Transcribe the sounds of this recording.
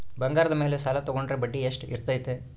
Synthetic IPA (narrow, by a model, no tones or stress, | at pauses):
bɐŋɡaːɾɐd̪ɐme̞ːlesaːlɐt̪ɔɡoɳɖɾebɐɖːieʂʈḭɾt̪aːjit̪ːe